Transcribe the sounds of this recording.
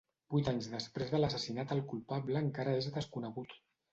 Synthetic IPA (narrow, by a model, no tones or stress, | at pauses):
b̥ujt̪aɲzðəspɾezðələsəsinat̪əlˠkulpaβləːŋkaɾəezðəskunəɣut̪